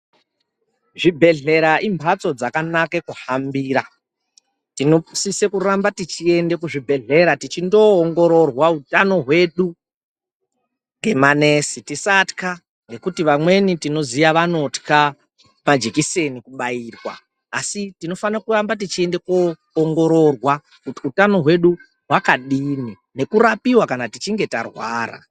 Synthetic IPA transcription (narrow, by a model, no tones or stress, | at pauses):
ʐibʱe̞ɮe̞ɾaʔimbʱat͡so̞d͡zakanakekuhambiːɾa | tino̞psisekuɾambatit͡ʃie̞ndekuʐibʱe̞ɮe̞ɾatit͡ʃindo̞ːŋɡo̞ɾo̞rwautano̞ɦwe̞ɗu | ŋɡe̞mane̞sitisatka | ŋɡe̞kutiʋamwe̞nitino̞zijaʋano̞tka | mad͡ʒekise̞nikuɓaiːrwa̰ː | sitino̞fanakurambat̬it͡ʃie̞nde̞koː | ŋɡo̞ɾo̞rwa | kutiutano̞ɦwe̞ɗu | ɦwakaɗini | ne̞kuɾapiwakanatit͡ʃiŋɡe̞tarwaːra̰